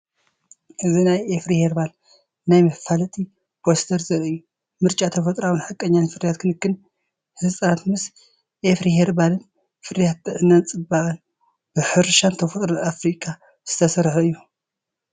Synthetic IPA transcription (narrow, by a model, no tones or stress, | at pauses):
ʔɨzinajefɾiheɾbal | najmɐfalɐt̪ʼi | b̥ost̪ʰɐɾzɐɾɨjːu | mɨɾt͡ʃʼat̪ʰɐfɐt̪ʼɾawɨnħɨkʼɐɲːanfɨɾjat̪̚kʰɨnɨkːɨn | hɨzsʼanat̪mɨs | ʔefɾiheɾbalɨn | fɨɾjat̪̚ːɨʕɨnːant͡sʼɨbaʔʼɐn | b̥ɨħɨɾʃant̪ʰɐfot̪ʼɾoafɾikʼa | z̥ɨt̪ʰɐsɐɾħuɨjːu